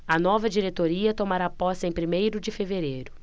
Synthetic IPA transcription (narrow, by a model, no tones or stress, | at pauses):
ɐnɔvɐd͡ʒiɾet̪oɾiɐt̪omaɾapɔst̪ẽj̃pɾimejɾʊd͡ʒɪfeveɾejɾʊ